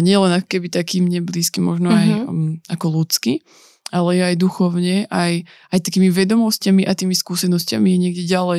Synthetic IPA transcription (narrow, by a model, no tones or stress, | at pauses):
ɲɪɛlɛnakɔ̥kɛbit̪akiːmɲɛbliːskimɔʒnɔajakɔlut͡ski | alɛjɛajd̪uxɔʊɲɛʔaj | ajt̪akiːmiʋɛd̪ɔmɔscamiʔat̪iːmiskuːsɛnɔscamijɛɲɪɛɡɟɛɟalɛ